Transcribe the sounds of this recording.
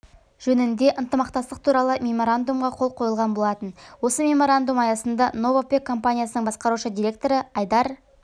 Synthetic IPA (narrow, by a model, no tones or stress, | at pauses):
ʒ̥ɵnɪnd̪e̞ʔənt̪əmɑq̚t̪ɑst̪əq̚t̪ʰuɾɑlˠəmʲe̞mo̞ɾand̪umʁɑqʰo̞lˠqʰo̞jəlˠʁɑnbo̞lˠɑt̪ənwo̞səmʲe̞mo̞ɾand̪umɑjɑsənd̪ɑno̞vopʲekʰːo̞mpanʲijasənəɴbɑsqɑɾuʃəd̪ijɾʲe̞k̚t̪o̞ɾəɑjd̪ɑɾ